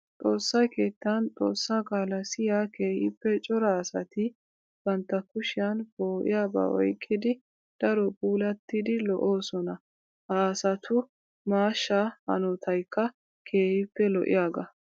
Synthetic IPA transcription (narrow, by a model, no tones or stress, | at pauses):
t͡s̪ʼo̞ːsːɐjke̞ːt̪ːɐnt͡sʼo̞ːsːakʼaːlɐsɪjaːke̞ːhɪpːɛt͡ʃʼɔɾaːsɐt̪ɪ | b̥ɐnt̪ːɐkʊʃɪjanboːʔɪ̰jaːba̰ːwɔ̰jkʼːɪd̪ɪ | d̪̥ɐɾɔpʼuːlɐt̪ːɪd̪ɪlɔʔo̞ːsɔnɐ | hɐːsɐt̪ʰʊ | maːʃːaːhɐ̰nɔt̪ʰɐjkʰːɐ | kʰe̞ːhɪpːɛlɔʔɪ̰jaːɡɐ